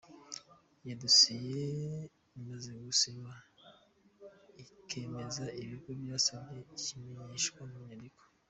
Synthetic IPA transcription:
jadusije | imazeɡusiβa | ikʰe̞me̞zaiβiɡobjaːsabɡeicimeɲeʃkwamuɲadiko̥

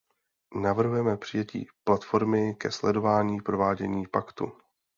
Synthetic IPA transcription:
navr̩ɦujɛmɛpr̥ɪjɛcḭːplat̪fo̞ɾmɪkɛslɛdo̞vaːɲiːpɾo̞vaːɟɛ̰ɲiːpakt̪ṵ

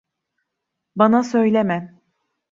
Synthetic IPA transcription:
banasø̞jlʲemæm

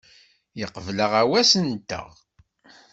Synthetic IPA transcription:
jəqvləʁæwæsənt̪ːə̰ʁ

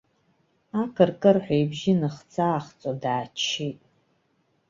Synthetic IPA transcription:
akʰɨrkʼɐrħʷejbʒɪnɨχt͡sʰaːχt͡sʼodaːt͡ʃʰitʼ

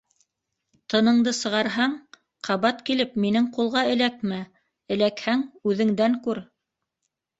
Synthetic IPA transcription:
t̪ɤ̆nɤ̆ɴd̪ɤsɤ̆ʁɑɾɦɑɴ | qʰɑβɑt̪kilɘpminɘŋqulˠʁɑɘ̆læk̚mæ | ɘ̆lækhæŋʉðɘ̆ŋd̪æŋkʉɾ

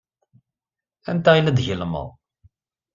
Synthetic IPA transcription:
æ̰nt̪æilæd̪ʝəlmə̰ðˤ

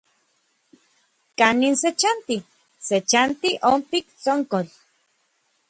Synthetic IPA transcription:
kaninset͡ʃant̪i | set͡ʃant̪iʔompikt͡soŋkol

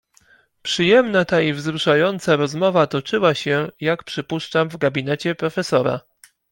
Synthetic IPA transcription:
pʂɘjɛmnat̪aivzɾuʂajɔnt̪saɾɔzmɔvat̪ɔt͡ʂɘwaɕɛjakpʂɘpuʂt͡ʂamvɡabʲinɛt͡ɕɛpɾɔfɛsɔɾa̰

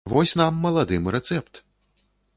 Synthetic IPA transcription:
vɔsʲnamːɐlˠad̪ɨmɾɛt̪sɛpt̪

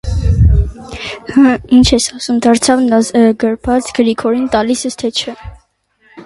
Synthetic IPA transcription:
həint͡ʃʰɛsɑsumd̪ɑɾt͡sʰɑvnɑzɡəɾpʰɑt͡sɡəɾikʰɔɾint̪ɑlisɛst̪ʰɛt͡ʃʰə

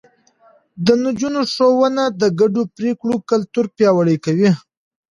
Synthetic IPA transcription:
d̪ənad͡ʒunoʂowənad̪əɡaɖopɾekɽokalt̪uɾpjɑwaɽəjkawi

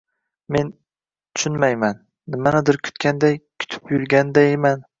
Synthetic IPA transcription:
me̞n | t̪ʰʊ̥ʃʊnmajmanː | ɪmanɪd̪ɪɾkʲʰʊ̥t̪kʲʰand̪ajkʲʰʊ̥t̪ʰɪ̥pjʊɾɡʲand̪ajeman

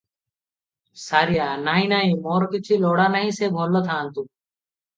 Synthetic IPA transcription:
saːɾijaːnaːĩnaːĩːmoːɾkɪt͡ʃʰiloːɽaːnaɦĩseːbʱoːlːot̪ʰaːnt̪uː

